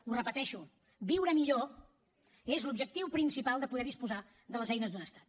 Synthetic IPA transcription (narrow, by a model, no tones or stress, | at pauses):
urəpət̪ɛʃu | biwɾəmiʎo | ezlubʒək̚t̪iwpɾinsipalˠd̪əpuðɛɾðispuza | ðələzɛjnəzd̪unəst̪ḁt̪̚